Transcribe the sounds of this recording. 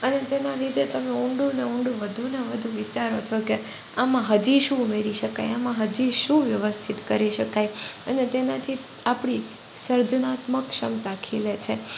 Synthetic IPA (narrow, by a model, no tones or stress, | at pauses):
ənet̪enaɾit̪et̪əmeuɳɖũneũɳɖũʋəd̪ʱuneʋəd̪ʱũʋit͡ʃaɾot͡ʃʰɔke | amãɦəd͡ʒiʃũːmeɾiʃəkajamãɦəd͡ʒiʃũʋjəʋəst̪ʰit̪kəɾiʃəkajənet̪enat̪ʰi | apɽ̃i | səɾd͡ʒənat̪məkʃəmt̪akʰilet͡ʃʰe